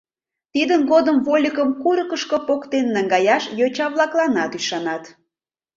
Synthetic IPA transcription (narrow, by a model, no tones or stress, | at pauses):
t̪id̪ənɣod̪əmvolʲikəmkuɾəkəʃkopokt̪enːæŋɡɑjɑʃjot͡ɕɑβlˠɑklɑnɑt̪yʃɑnɑt̪